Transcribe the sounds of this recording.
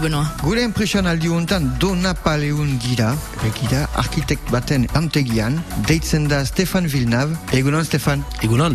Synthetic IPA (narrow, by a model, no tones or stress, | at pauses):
unɔ̃ɡuleɛ̃mpχesjɔnald̪iuɔ̃nt̪ãnd̪onapaleunɡiɾaebɛɡid̪aʔa̰ʁkit̪ɛk̚t̪bat̪ɛnɑ̃nt̪eɡiand̪ɛjt͡sɛnd̪ast̪efanvilnaveɡunɔ̃nst̪efan | eɡunɔ̃n